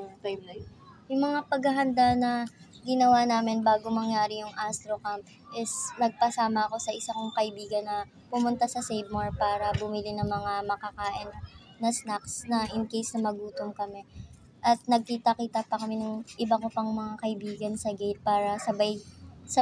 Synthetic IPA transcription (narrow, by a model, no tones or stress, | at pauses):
pjbjjʊŋmɐŋapɐɡɐɦɐnd̪anɐɡɪnɐwanaːmɪnbaːɡomɐŋjaːɾɪjʊŋʔast̪ɾokamp | ʔɪsnɐɡ̚pɐsaːmɐɐko̞sɐʔɪsakʊŋkɐʔɪbiːɡɐnːɐ | pʊmʊnt̪asɐsejvmaɹpaːɾɐbʊmɪlinɐŋmɐŋamɐkɐkaːʔɪnː | ɐsnaksnɐʔɪnkejsnɐmɐɡuːt̪omkɐmɛ | ʔɐt̪̚nɐɡ̚kiːt̪ɐkiːt̪ɐpɐkɐmɛnʊŋʔɪbakopɐŋmɐŋakɐʔɪbiːɡɐnsɐɡejt̪̚paːɾɐsɐbajsɐ